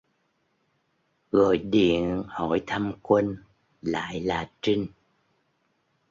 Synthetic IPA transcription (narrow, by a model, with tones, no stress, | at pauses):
ɣɔ˨˩jɗḭ˧˨ənhɔ̰˧˩jt̪ʰə˧mkwə˧ŋ | la̰ː˧˨jlaː˨˩t͡ɕi˧ŋ